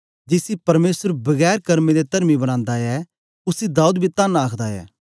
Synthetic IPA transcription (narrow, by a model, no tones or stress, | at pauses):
d͡ʒɪsipɐɾmeːsəɾbɐɣɛːɾkɐɾmẽd̪et̪ɐɾmibɐɽ̃ãːnd̪aɛ | ʊsid̪aːuːd̪bʱit̪aːnaːkʰd̪aɛ̰ː